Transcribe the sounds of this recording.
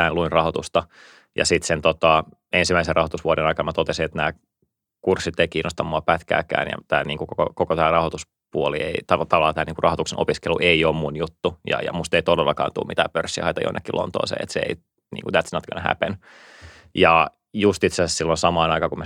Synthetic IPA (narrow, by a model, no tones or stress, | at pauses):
æːnluinrɑhot̪ust̪ɑ | jɑ̰sit̪sent̪ot̪ɑ | ensimæiserɑhot̪usʋuoɾenɑikɑnmæt̪ot̪esiet̪næː | kursːit̪ːeikiːnʔost̪ɑmːoɑpæt̪kæ̰ːkæ̰ːnjɑ̰t̪æːniːŋkukoko̰kokot̪æːrɑhot̪us | puolieit̪ɑt̪ɑʋɑlːɑt̪æːniːŋkurɑhot̪uksenʔo̰piskelṵʔeioːmmunjut̪ːujɑ̰jɑ̰must̪eit̪odelːɑkɑ̰ːnt̪ṵːmit̪æ̰ːpørsːihɑ̰it̪ɑ̰jo̰nːḛkːilʔo̰nt̪o̰isḛːḛt̪seḛi | nḭːŋkut̪æt̪sinɑt̪kønehæ̰pen | jɑ | just̪it̪sesæssilːonsɑmɑːnɑikɑkumæ